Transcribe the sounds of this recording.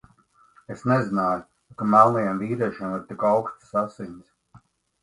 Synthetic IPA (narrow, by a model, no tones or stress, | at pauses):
esnezinaːju | kamalˠnɛjɛmviːɾɛʃimiɾt̪ikawkst̪sasiɲʲs